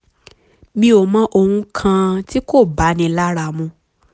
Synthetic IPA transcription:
mĩ˦o˧mã˦ʔo˧hũ˧kʰã˧ti˦ko˦˨ba˨˦nĩ˧la˦ɾa˧˨mũ˧

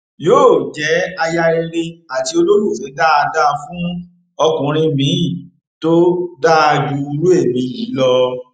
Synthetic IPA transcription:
joː˦˨d͡ʒɛ˨˦a˧ja˧e˧ɾe˧a˨ti˧o˧lo˦ɾu˦˨fĩ˨˦da˦a˧da˦fũ˦ | ɔ˧kũ˨ɾ̃ĩ˧mĩ˨˦ĩ˦˨ | to˦da˦˧d͡ʒu˧ɾu˦e˦˨mĩ˧˦jiː˨˦lɔ˧

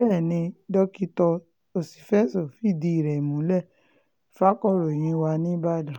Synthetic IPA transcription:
ɛ˦˨nĩ˧dɔ˦ki˦tɔ˧ | o˨si̥˨fɛ˦˨sɔ˨fi˦˨di˧i˨ɾɛ˨mũ˨˦lɛ˦˨ | fa˦kɔ˦˨ɾo˨j̃ĩ˧˦wa˧nĩ˦ba˦˨da˨

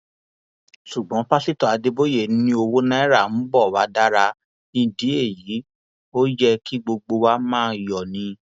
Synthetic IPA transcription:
ʃu˨ɡ͡bɔ̃˨˦pa˦si˦tɔ˨a˧de˧bo˦je˨˦nĩ˧˦o˧wo˦nã˦ɛ˦ɾa˦˨ñ̩˨˦bɔ˦˨wa˨˦da˦ɾa˧ | nĩ˧di˨˦e˦˨ji˨˦ | o˦d͡ʒɛ˦ki˦ɡ͡bo˧ɡ͡bo˧wa˦mãː˦jɔ˨nĩ˧˦

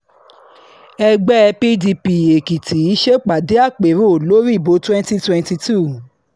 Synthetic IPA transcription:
ɛ˧ɡ͡bɛ˦ɛ˧pi˦di˧pi˨e˨ki˨tʰi˨˦i˦ʃe˦k͡pa˨de˨˦a˦˨k͡pe˨˦ɾo˦˨lo˨˦ɾi˦˨bo˨˦twɛ̃˦nti˦twɛ̃˦nti˧tu˦˨

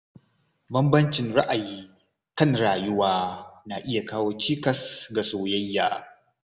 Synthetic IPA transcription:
bɐ˦mbɐ˦nt͡ʃɪ˨nɽa˦ʔa˨jiː˦ | kɐ˦nɽaː˨jʊ˦waː˦na˨ʔɪ˦ja˨kaː˦woː˦t͡ʃiː˦kɐ˨sɡa˨soː˨jɐ˦jːaː˨

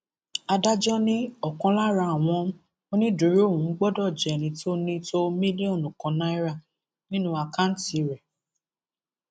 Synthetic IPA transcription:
a˧da˦d͡ʒɔ˦nĩ˦ɔ˨kɔ̃˧la˦ɾa˧˨w̃ɔ̃˧˦ | o˦nĩ˦du˨˦ɾi˦o˦˨ũ˨˦ɡ͡bɔ˦dɔ˦˨d͡ʒɛ˨nĩ˨˦to˦nĩ˦to˦mĩ˦li˦o˦˨nũ˨kɔ̃˨˧nã˦i˦ɾa˦˨ | nĩ˦nũ˦a˧ka˦n̩˦ti˨ɾɛ˨

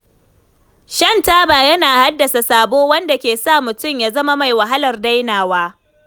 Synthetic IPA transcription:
ʃɐ˦˨ntaː˦baː˨jɐ˦naː˨ha˦dːɐ˨sa˨saː˨boː˦wɐ˦nda˨kʲeː˨sa˦˨mʊ˨tʊ˦˨mjaː˦zɐ˦ma˦ma˨jwa˨ɦa˦lɐ˨rda˦jnaː˨waː˦

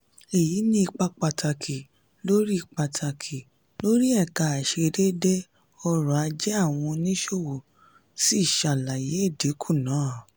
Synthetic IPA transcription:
e˨ji˨˦nĩ˦i˧k͡pa˧k͡pa˨tʰa˨kʰi˨ | lo˦ɾi˦i˦˧˨k͡pa˨tʰa˨kʰi˨ | lo˦ɾi˦ɛ˦˨ka˨a˨ʃe˧ɾe˦de˦ | ɔ˧ɾɔ˨a˧d͡ʒɛ˦a˦˨w̃ɔ̃˧nĩ˦ʃo˦˨wo˨ | si˦˨ʃa˨la˨je˨˦e˦˨de˨˦kʰu˦˨nãː˨˦˨

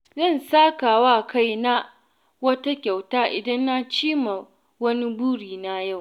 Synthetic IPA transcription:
zɐ˦˨nsaː˦kaː˨waː˦˨ka˦˨jna˦ | wɐ˦ta˦kʲa˨wtaː˦ʔɪ˨dɐ˦nːa˦t͡ʃiː˦ma˨ | wɐ˦ni˦buː˦ɽiː˨na˦ja˦˨w

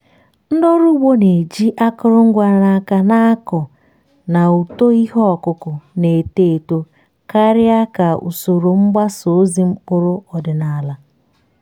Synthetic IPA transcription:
n̩˦dɔ˦ɾʊ˦wo˦ne˨d͡ʒi˦ʔa˦kʊ˦ɾʊ˦ŋ̩˦ɡʷa˦ɾa˦ka˦na˦a˦kɔ˨ | na˨u˨to˦i˦ɦɔ˦ɔ˨kʊ˦kʊ˨ne˨te˦˨to˦ | ka˦ɾɪ˦a˦ka˨ṵ˨so˨ɾo˨ŋ͡m̩˦ɡ͡ba˦so˨˦zi˦m̩˦kʊ˦ɾʊ˦ɔ˨dɪ˨na˨la˨

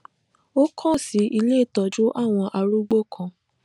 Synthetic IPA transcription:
o˦kʰɔ̃˦˨si˨˦ʔi˧le˦˨tɔ˨d͡ʒu˦ʔa˦˨w̃ɔ̃˧ʔa˧ɾu˦ɡ͡bo˦kʰɔ̃˧

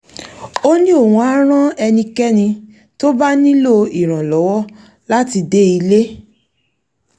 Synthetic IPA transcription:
o˦nĩ˦o˦˨wũ˧a˦ɾ̃ã˦ɛ˧nĩ˧kɛ˦nĩ˧ | to˦ba˦nĩ˦lo˦i˨ɾ̃ã˨lɔ˨˦wɔ˦ | la˦ti˧de˦i˧le˦

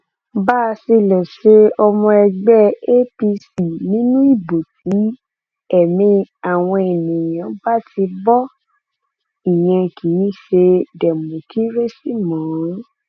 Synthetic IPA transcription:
ba˦˧si˧lɔ˨ʃe˧˦ɔ˧mɔ̃˧ɛ˧ɡ͡bɛ˦e˦pi˧si˨nĩ˦nũ˦i˦˨bo˨t̚i˨˦ | ɛ˨mĩ˧a˨w̃ɔ̃˧e˨nĩ˨j̃ã˨ba˦ti˧bɔ˦ | i˨j̃ɛ̃˧ki˨˦ĩ˦ʃe˧dɛ˨mũ˨kʰi˦ɾe˦si˦mɔ̃ː˨˦

